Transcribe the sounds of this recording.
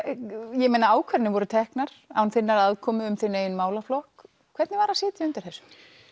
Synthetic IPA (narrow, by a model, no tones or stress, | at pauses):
jɛmejnaaːwkʰvɛɾnɪvɔɾʏt̪ʰɛhknaɾ̥a̰wnθɪnːaɾaðkʰɔːmʏʏmθɪnːɪeːjnmaːwlaflɔhk | kʰvɛɾt̪nɪvaːɾasɪːt̪ɪʏnt̪ɪ̥ɾ̥θɛsːʏ̥m